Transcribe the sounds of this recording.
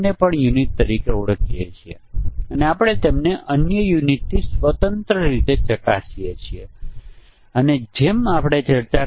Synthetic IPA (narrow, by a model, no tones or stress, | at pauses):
nepəɳjunit̪ːəɾikeuɽəkijet͡ʃʰie | əneapəɽ̃et̪emneʔənjəjunit̪nisʋət̪ənt̪ɾəɾit̪et͡ʃəkasijet͡ʃʰie | əned͡ʒemapɽ̃et͡ʃəɾt͡ʃa